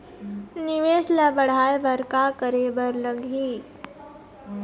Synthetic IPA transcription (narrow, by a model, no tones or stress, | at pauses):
nɪʋeːʃlɐbəɽ̤aːeʋəɾkakəɾeːbəɾləɡiː